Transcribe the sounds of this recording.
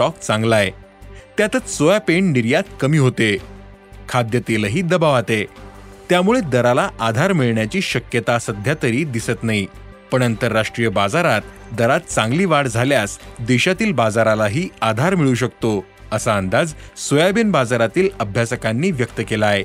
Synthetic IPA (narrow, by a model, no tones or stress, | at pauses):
ɔk̚t͡sãŋɡlaet̪jat̪ət͡ssojapeɳniɾjat̪̚kəmiːɦot̪e | kʰad̪jət̪eləɦiːd̪əbaʋat̪et̪jamuɭed̪əɾalaʔad̪ʱaɾmiɭɳjat͡ɕiːɕəkjət̪asəd̪ʱjat̪əɾiːd̪isət̪naɦi | pəɳənt̪əɾːaʂʈɾijəbad͡zaɾat̪̚d̪əɾat̪̚t͡sãŋɡliːʋaɽd͡zʱaljasd̪iɕat̪iːlbad͡zaɾalaɦiːad̪ʱaɾmiɭuɕ̬əkt̪o | əsaənd̪ad͡zsojabenbad͡zaɾat̪iːləbʱjasəkanːiːʋjək̚t̪əkelae